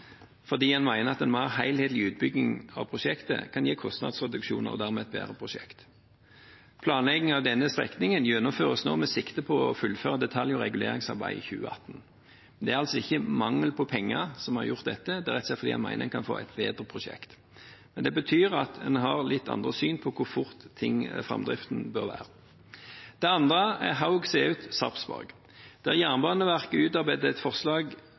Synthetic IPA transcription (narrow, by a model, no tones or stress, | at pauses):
fɔd̪iːɛnmæɪnəɾɑt̪ɛnmɑhæɪlheːt̪lɪʉːt̪̚bʏɡnɪŋɑ̰ʋpʰʁʊʃɛkt̪ə̰kʰɑnjeːkʰɔst̪nɑ̰ːd̪sʁɛd̪ʉkʃuːnə̰ʁɔ̰d̪æːʁmɛɛt̪̚bæ̰ːɾəpʰʁʊʃɛ̰kt̪ | pʰlɑːnlɛɡɪŋɑʋd̪ɛnːəst̪ʁɛ̰knɪŋənjɛnːʊmføːʁəsno̰ːmɛsɪkt̪əpʰɔɔfʉlføːʁɑd̪ɛt̪ʰɑljɔʁɛɡʉleːɾɪŋsɑ̰ʁbæ̰ɪçʉ̰ːə̰ɑ̰t̪ːn | mɛnd̪ɛæɾʁɑlsɔɪçːəmɑŋːəlpʰɔpʰɛŋːəsɔmhɑʁjʊʁt̪̚d̪ɛt̪ːəd̪ɛʁɛt̪sɛt̪fɔd̪iːɑ̰nmæ̰ɪnəŋkʰɑnfo̰ːɛ̰t̪beːd̪ʁəpʰʁʊʂɛ̰kt̪ | mɛnd̪ɛbət̪ʰyːɾɑt̪dɛnɦɑʁlɪt̪ʰːɑ̰nd̪ʁəsyːnpʰɔkʰʊʁfʊɾt̪ʰːɪŋfʁɑ̰md̪ʁɪ̰ft̪n̩bøʁʋæ̰ːɾə | d̪̥ɛɑnd̪ʁəæ̰ʁɦaʊɡseːʉːt̪sɑ̰psbɑ̰ʁɡ | d̪̥ɛæʁjæːʁnbɑːnəʋæʁkəʉːt̪ɑʁbæɪd̪əɛt̪fɔʁslɑːɡ